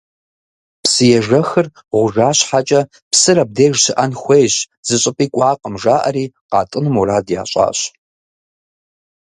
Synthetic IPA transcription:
psɨjɛʒɐxɨr | ʁʷʊʒaːɕħat͡ʃʼɐ | psɨɾɐb̚deːʒɕɪʔɐnxʷejɕ | z̥ɨɕʼɪpʼiːkʷʼɑːqʼəmʒaːʔɐ̰ɾiːqɑ̰ːtʼɨnɨmuɾaːdja̰ːɕʷʼa̰ːɕ

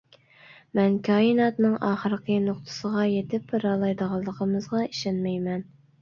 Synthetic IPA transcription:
mɛnkʲʰɑːjɨnɑt̪nɨŋɑːχəɾəqʰənoqt̪ʰə̥səʁɑjet̪ɪpɾɑːlˠɑjd̪əʁɑlˠːəqʰəmɨzʁɑiʃɑnmɛjmɛn

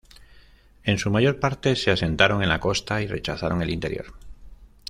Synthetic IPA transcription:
e̞nsumaʝo̞ɾpaɾt̪e̞se̞ase̞nt̪aɾo̞ŋe̞nlako̞st̪aire̞t͡ʃaθaɾo̞ŋe̞lint̪e̞ɾjo̞̰ɾ

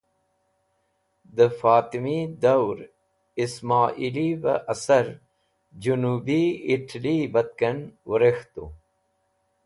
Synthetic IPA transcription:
d̪əfaːt̪imid̪ɐwɾ | ismaːʔilibɐ̰ʔɐsɐɾ | d͡ʑunuːbiiʈʰlibɐt̪̚kɐnwɐɾext̪u

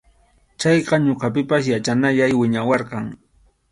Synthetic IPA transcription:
t͡ʃɑjqɑɲoqɑpɪpas̬jat͡ʃanaʎajwɪɲawɑɾqɑŋ

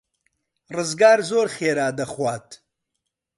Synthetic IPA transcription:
rɨzɡaːɾzoːɾχeːɾaːd̪ɐχwaːt̪

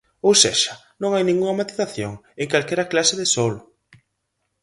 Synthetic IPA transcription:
owseʃɐ | nõŋajnĩŋɡuŋɐmat̪iðaθjoŋ | eŋkalkɛɾɐklasɪðɪsolʊ

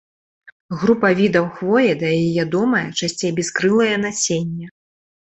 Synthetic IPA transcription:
ɣɾupɐvʲid̪ɐwxvɔjɛd̪ɐivʲad̪ɔmɐjɐt͡ʂasʲt͡sʲejbʲɛskɾɨlˠɐjɐnasʲenʲːɛ

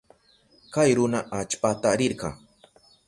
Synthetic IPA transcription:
kajɾʊnaʔat͡ʃpat̪aɾɪɾɢɑ̰ŋ

